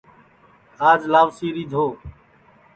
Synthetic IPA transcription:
aːd͡ʒlaːʋsiːɾiːd̪ʱoː

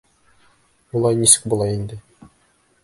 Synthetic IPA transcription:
ulˠɑjnisɘ̥k̚bulˠɑjind̪ɘ

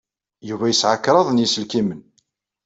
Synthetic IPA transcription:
juvæjəsʕəkːɾˤɑðˤnjisəlkimən

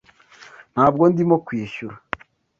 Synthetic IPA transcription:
n̥haːb̚ɡo̞ndimokwiːʃuɾa

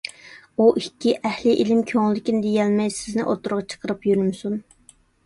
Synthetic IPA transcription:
uʔikʲːiʔɛhlɪʔilɪmkʲʰøŋlːɪkʲinɪd̪ejɛlmɛjsɪznɪʔot̪ʊɾʁɑt͡ʃʰə̥qʰəɾɨpjyɾymsun

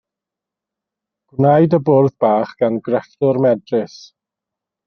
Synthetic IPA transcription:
ɡ̥wnajdəbʊrðbaːχɡ̥anɡrɛɬtʊrmɛdrɪs

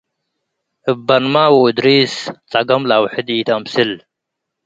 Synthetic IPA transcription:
bɐnmaːwud̪ɾiːst͡saɡɐmlawħid̪iːt̪amsil

